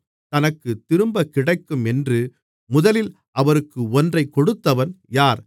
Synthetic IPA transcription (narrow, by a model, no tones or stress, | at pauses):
t̪ɐnɐkːɯt̪ːɪɾɯmbɐkːɪɽɐɪkːɯmɛndrɯ | mʊðɐlɪl | ʔɐʋɐɾɯkːɯɔndrɐɪkːɔɽɯt̪ːɐʋɐnjaːɾ